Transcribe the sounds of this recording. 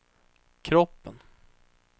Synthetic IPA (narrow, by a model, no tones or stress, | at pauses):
kʰɾɔpːən